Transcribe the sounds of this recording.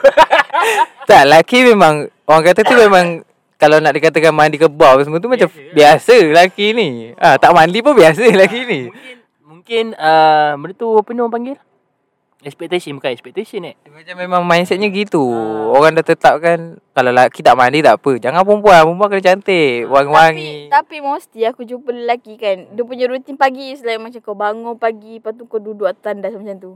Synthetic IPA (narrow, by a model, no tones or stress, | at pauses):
t̪aʔlakimemaŋ | oɾaŋkat̪ət̪umemaŋ | kalawnaʔdikat̪akanmandikəbawəs̬əmut̪̬umat͡ʃam | biasəlakiniat̪aʔmandip̬unbias̬əlakini | muŋkɪnəbənt̪upənopaŋɡɪlah | ɛspɛk̚t̪esənməkaɛkspɛk̚t̪esənɛ | mat͡ʃamːemãŋmainsɛt̪̚ɲaəɡit̪uoɾaŋdaht̪ət̪ap̚kankalalakit̪aʔmandit̪aʔpəd͡ʒaŋanpəmpuanpumpuaŋkənat͡ʃant̪əwaŋwaŋit̪apimost̪iakud͡ʒupələlakikanduəp̬uɲaɾut̪inpaɡisəlajmat͡ʃamkawbaŋɔnpaɡipat̪ukaduduaʔt̪andasmat͡ʃamt̪u